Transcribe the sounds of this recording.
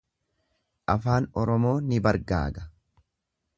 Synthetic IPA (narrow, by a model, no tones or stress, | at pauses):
ʔɐfaːnɔɾɔmo̞ːnɪbɐɾɡa̰ːɡɐ̥